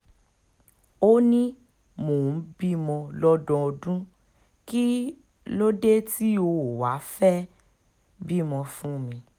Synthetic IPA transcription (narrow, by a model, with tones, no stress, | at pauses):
o˦nĩ˦ | mo˨˦bi˦mɔ̃˧lɔ˦dɔ̃˦ɔ˧dũ˦ | ki˦ | lo˦de˦ti˦o˧˨wa˨˦fɛ˦ | bi˦mɔ̃˧fũ˦mĩ˧